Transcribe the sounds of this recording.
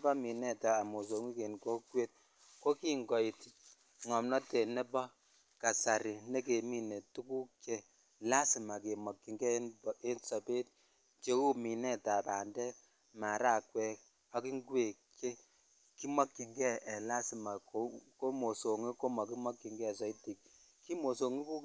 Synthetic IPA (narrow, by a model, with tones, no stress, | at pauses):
kɔ˦mi˨nɛ˦taː˨mo˨s̬o˨ŋi˦ke˨nko˦kwe˦t̚ | ko˦ki˦ŋɡɔ˨i˨ti˨ | ŋɔ˨mnɔ˦tɛ˨nɛ˦bɔ˦ | ka˨sa˨ɾi˨ne˦ke˨mi˦ne˨tu˦ku˦kje˦ | la˦si˨ma˨ke˨mɔ˨kːi˨ŋɡɛ˦n˨e˦nsɔ˨pe˦t̚ | t͡ʃe˨ku˦mi˨nɛ˦ta˨pa˨ndɛ˦k̚ | ma˨ɾa˦˨kwɛ˦˨k | ɔ˦ki˦ŋɡe˨ke˦ | ki˦mɔ˦kːi˨ŋɡɛ˦ʔɛ˨la˦si˨ma˨o˦ko˦mo˨so˨ŋi˦ko˦mɔ˨ki˦mɔ˦kːi˨ŋɡɛ˦˨sɔ˨i˦ti˨k̚ | ki˦mo˨so˨ŋi˦ku˦